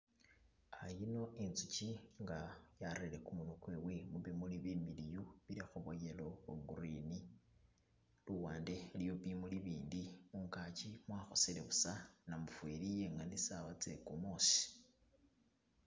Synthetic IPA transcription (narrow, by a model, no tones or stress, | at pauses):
ajino̞int͡sut͡ʃiŋɡajaɾile̞kumunokwewemuβimuliβimilijuβiɾixuβojelo̞weɡuɾini | luwaːnde̞ljoβimuliβiːndimuŋkat͡ʃimwaːxo̞sile̞βusanamufwelijeŋanisawat͡se̞̰kumoːsi̥